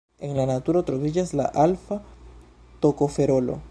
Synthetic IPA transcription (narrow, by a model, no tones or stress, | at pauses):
eŋlanat̪uɾaot̪ɾoβiʝazla̰ʔalfa | t̪okofeɾolo̰